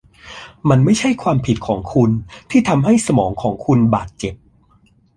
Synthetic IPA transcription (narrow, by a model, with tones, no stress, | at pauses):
ma˧nma˥˩jt͡ɕʰa˥˩jkʰwaː˧mpʰi˨˩t̪̚kʰɔː˩˦ŋkʰu˧nt̪ʰiː˥˩t̪ʰa˧mɦa˥˩jsa˧mɔː˩˦ŋkʰɔː˩˦ŋkʰu˧nbaː˨˩t̪̚t͡ɕe˨˩p̚